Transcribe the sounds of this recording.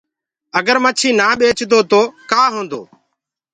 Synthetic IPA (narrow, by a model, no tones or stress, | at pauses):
əɡəɾmət͡ʃʰiːnaːɓeːt͡ʃd̪oːt̪oːkaːɦõːnd̪o̰ː